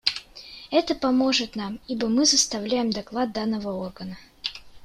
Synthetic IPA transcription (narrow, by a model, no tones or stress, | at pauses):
ɛt̪əpɐmo̞ʐɨt̪namibəmɨzəst̪ɐvlʲæjɪmd̪ɐklˠad̪̚d̪anːəvəo̞rɡənə